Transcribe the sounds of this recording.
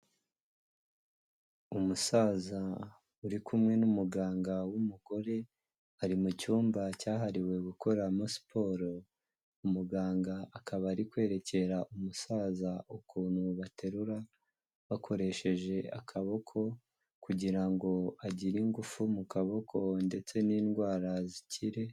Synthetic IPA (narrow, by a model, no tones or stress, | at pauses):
umusaːza | uɾikʰumŋe̞numuɡaːŋɡawumuɡo̞ɾe̞ | aɾimucuːmbacaːɦaɾiwe̞ɡuko̞ɾamospʰo̞ːɾo | umuɡaːŋɡaːkʰaβaɾikwe̞ːɾe̞ce̞ɾaʔumusaːzaʔukʰuːn̥huβatʰe̞ɾuɾa | βakʰo̞ɾe̞ʃe̞ʒe̞a̰kʰaβo̞kʰo̞ | kuɟiɾaŋɡo̞aɟiɾiŋɡufumukaβo̞kʰo̞nde̞t͡se̞niːnɡwaːɾazicʰiɾe̞